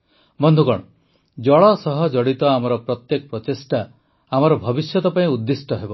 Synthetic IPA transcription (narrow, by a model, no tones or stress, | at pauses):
bɔnd̪ʱukɔɽ̃ɔ | d͡ʒɔɭɔsɔɦɔd͡ʒɔɽit̪ɔamɔɾɔpɾɔt̪jekɔpɾɔt̪esʈa | amɔɾɔbʱɔbisjɔt̪ɔpaĩud̪ːisʈɔɦebɔ